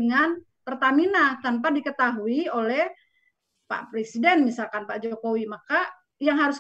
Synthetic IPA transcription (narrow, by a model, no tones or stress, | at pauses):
əŋan | pərt̪aminat̪anp̬adikət̪aɦuiolɛh | pa̰pɾesidɛnmisalkanpaʔd͡ʒokowimaka | jaŋɦaɾʊs